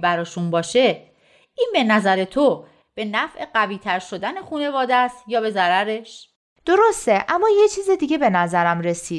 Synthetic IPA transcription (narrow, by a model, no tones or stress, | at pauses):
bæɾɒːʃunbɒːʃe̞ | iːnbe̞næzæɾe̞t̪ʰo | b̥e̞næfʔe̞ɢæviːt̪ʰæɾʃo̞d̪æne̞xune̞vɒːd̪æst̪jɒːbe̞zæɾæɾe̞ʃ | d̪̥o̞ɾo̞st̪e̞ʔæmːɒːje̞t͡ʃʰiːzid̪iːɟe̞be̞næzæɾæmɾe̞siːd̪̥̚